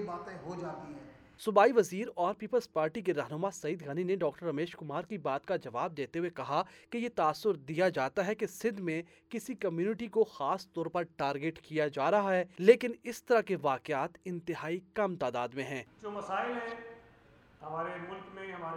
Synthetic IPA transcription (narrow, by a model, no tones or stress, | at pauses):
baːt̪ẽɦod͡ʒaːt̪iɦɛː | sʊbaːiʋɐziːɾɔːɾpiːpəlzpaːɾʈikeɾɐɦnʊmasɐiːd̪ɡaːnineɖɔːk̚ʈəɾːɐmeːʃkʊmaːɾkibaːt̪kad͡ʒɐʋaːb̚d̪eːt̪eɦuekɐɦakejet̪aːsːʊɾd̪ijad͡ʒaːt̪aɦɛkesɪd̪mẽ | kɪsikɐmjuːnɪʈikoxaːst̪ɔːɾpɐɾʈaːɾɡeːʈkijad͡ʒaːɾɐɦaɦɛːleːkɪnɪst̪ɐɾakeʋaːkɪaːt̪ɪ̃nt̪ɪɦaːikɐmt̪aːd̪aːd̪mẽɦɛ̃ːd͡ʒoːmɐsaːɪlɦɛ̃ | hɐmaːɾemʊlkmẽɦɐmaːɾ